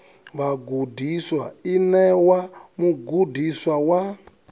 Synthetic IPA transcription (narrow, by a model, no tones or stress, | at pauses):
βaɡudʱiswainɛwamuɡudiswawa